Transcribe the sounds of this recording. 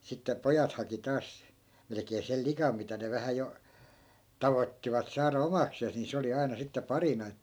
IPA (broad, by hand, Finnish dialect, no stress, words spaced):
sitːe pojɑt hɑki tɑːs melĕkeː sel likɑm mitæ ne ʋæhæ jo tɑʋotːiʋɑt sɑːrɑ omɑkseːs ni se oli ɑi̯nɑ sitːe pɑrinɑ etːæ